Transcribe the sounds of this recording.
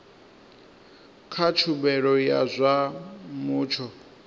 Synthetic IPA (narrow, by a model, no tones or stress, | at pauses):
kʰat͡ʃʰubɛɺɔjazʷamuːt͡ʃʰɔ